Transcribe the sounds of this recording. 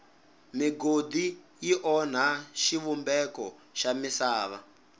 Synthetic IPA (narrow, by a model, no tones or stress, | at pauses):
miɡod̪ijiʔɔn̤aʃiβumbɛkɔʃamisaːβa